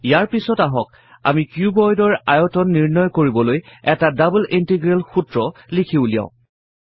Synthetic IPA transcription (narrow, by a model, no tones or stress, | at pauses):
ijaɹpisɔtaɦɔk | a̰mikjubɔjdɔɹajɔtɔnːiɹnɔjkoɹibɔlojɛtadablʔintiɡɹɛlxutɹɔlikʰiʊlijã̰ʊ̃